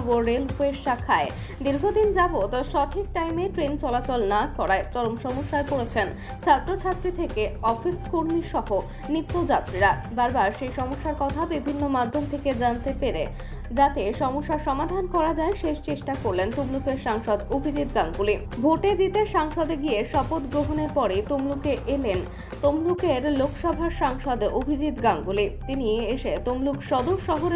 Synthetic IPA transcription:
boɾeluɦeʃakʰae | d̪iɾɡʱod̪ind͡ʑabot̪aʃɔʈʰik̚ʈajmeʈɾent͡ɕɔlat͡ɕɔlnakɔɾaet͡ɕɔlomʃɔmoʃːaepoɽet͡ɕʰen | t͡ɕʰat̪ːɾot͡ɕʰat̪ːɾit̪ʰekeɔfiskoɾmiʃɔɦo | nit̪ːod͡ʑat̪ːɾiɾa | baɾbaɾʃejʃɔmoʃːaɾkɔt̪ʰabibʱinːomad̪ʱːomt̪ʰeked͡ʑant̪epeɾe | d͡ʑat̪eʃɔmoʃːaʃɔmad̪ʱankɔɾad͡ʑaeʃeʃt͡ɕeʃʈakoɾlent̪omlukeɾʃaŋʃod̪obʱid͡ʑit̪ɡaŋɡuli | bʱoʈed͡ʑit̪eʃaŋʃɔd̪eɡieʃɔpot̪ɡɾoɦoneɾpɔɾet̪omlukeʔelen | t̪omlukeɾlokʃɔbʱaʃaŋʃɔd̪obʱid͡ʑit̪ɡaŋɡulit̪inieʃet̪omlukʃɔd̪oʃɔɦoɾ

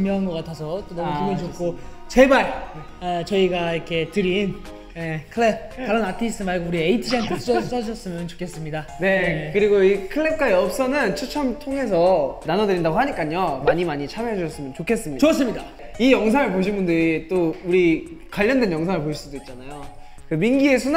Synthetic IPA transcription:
imjʌŋɡoɡatʰasʰʌt͈onʌmuumɯt͡ɕok͈ʰo | t͡ɕe̞baɭ | at͡ɕʌiɡaikʰe̞tɯɾin | jekʰɯɭeb̚kaɾʌnatʰis͈ʰɯmaɭɡouɾieitʰid͡ʑiankʰeud͡ʑʌs͈ʰaɕʰʌs͈ɯmjʌnt͡ɕo̥kʰe̞s͈ɯmɲidane̞kɯɾiɡoikʰɯɭːep̚k͈aiʌp̚s͈ʌnɯnt͡ɕʰut͡ɕʰʌmtʰoŋes̬ʰʌnanʌdɯɾindaɡoɦaɲik͈aɲʌmaɲimaɲit͡ɕʰameɦed͡ʑuɕʰʌs͈ɯmjʌnt͡ɕokʰe̞s͈ɯmɲit͡ɕoʌs͈ɯmɲida | ijʌŋsʰaŋɯɭpoɕʰinbundɯɾit͈ouɾikwaʎːʌndwenjʌŋsʰaŋɭpoɕʰiɭs͈udoit̚t͡ɕ͈anajo | kɯminɡie̞sʰun

